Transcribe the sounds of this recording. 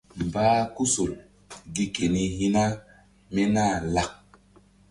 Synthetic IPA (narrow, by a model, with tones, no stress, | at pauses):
m˨baː˦ku˦so˨l | ɡi˦ke˨ni˧ɦi˦na˦ | me˦naː˦˨la˨k̚